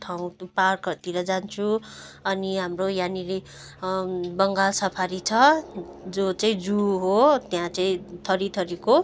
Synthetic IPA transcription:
t̪ʰaw̃parkʌt̪iɾʌd͡zant͡sʰuʌniɦamrojaniɾi | bʌŋɡalsʌpʰaɾit͡sʰʌd͡zot͡saĩd͡zuɦot̪jãt͡saĩt̪ʰʌɾit̪ʰʌɾiko

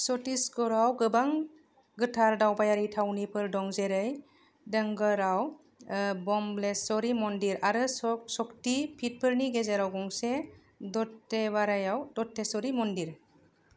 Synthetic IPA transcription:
sɔtisɡɔɾawɡɯbaŋ | ɡɯtʰaɾdawbajaɾitʰawnipʰɯɾdɔŋzeɾɯj | dɯŋɡɯɾaw | bɔmblesɔɾimɔndiɾaɾɯsɔktipʰit̚pʰɯɾniɡezeɾawɡɔŋse | dɔtːebaɾajawdɔtʰːesɔɾimɔndiɾ

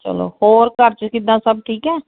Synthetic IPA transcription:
t͡ʃə̰lo̰ːhoːɾkəɾt͡ʃkɪd̪ːãːsəb̚ʈʰiːkɛː

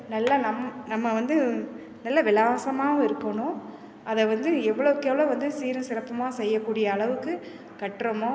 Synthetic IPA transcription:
nɐlːɐnɐmːnɐmːɐʋɐnd̪ɯ | nɐlːɐʋɪlaːʋɐsɐmaːʋɐɪɾɯkːɐɳʊ̃ | ɐðɛʋɐnd̪ɯɛʋːɐɭoʋɯkːɛʋɐɭoːʋɐnd̪ɯsiːɾɐsɪɾɐpːɐmaːsɛjːɐkːuːɽɪjɐːɭɐʋɯkːɯ | kɐʈːɾɐmõ

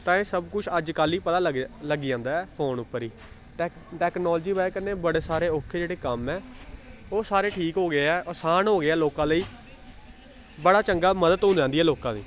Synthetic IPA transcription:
t̪ãːeːsəbkʊt͡ʃʰəd͡ʒkaːliːpət̪aːɡləɡiãːnd̪aːɛːpʰoːnʊpːəɾiː | ʈɛːknɔːld͡ʒiːbaːekəneːbəɽeːsaːɾeːoːkʰːeːd͡ʒeːɽeːkəmɛː | oːsaːɾeːʈʰiːkɦoːɡɪeɛːʔəsaːnɦoːɡɪɛːloːkãːləiː | bəɽaːt͡ʃəŋɡaːməd̪ət̪ɦʊ̃nd̪ãːnd̪iːɛːloːkãːd̪ḭː

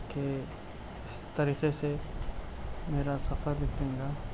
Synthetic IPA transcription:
ke | ɪst̪ɐɾiːqese | meːɾasɐfəɾlɪkʰlẽːŋɡaː

